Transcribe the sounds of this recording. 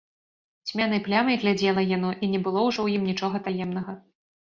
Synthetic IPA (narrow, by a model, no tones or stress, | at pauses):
sʲmʲanɨjplʲamɐjɣlʲad͡zʲɛlˠɐjan̪ɔʔinʲɛbɨlˠɔwʐɔwjimnʲit͡ʂɔɣɐt̪ajɛmn̪ɐɣɐ